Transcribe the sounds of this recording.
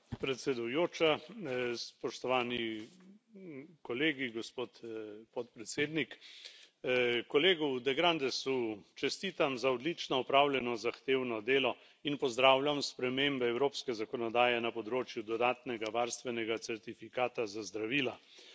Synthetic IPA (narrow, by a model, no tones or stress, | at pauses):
pɾɛt̪sɛd̪ujoːt͡ʃa | spɔʃt̪ɔʋaːni | kɔleːɡiɡɔspoːt̪pɔt̪pɾɛt̪seːd̪nik | kɔleːɡud̪ɛɡɾand̪ɛsut͡ʃɛst̪iːt̪amzaɔd̪lit͡ʃnɔɔpɾawlʲjɛnɔzaxt̪eːwnɔd̪eːlɔ | inpɔzd̪ɾaːwljamspɾɛmeːmbɛɛwɾoːpskɛzakɔnɔd̪aːjɛnapɔd̪ɾoːt͡ʃjud̪ɔd̪aːt̪nɛɡaʋaːɾst̪ʋɛnɛɡat̪sɛɾt̪ifikaːt̪azazd̪ɾaʋiːla